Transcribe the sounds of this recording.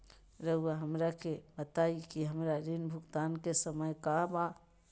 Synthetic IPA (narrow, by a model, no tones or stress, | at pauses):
ɾəɦuaɦɐmɾakebət̪aːikiɦəmɾaɾɪnbʱʊkt̪aːnkesəməjkaba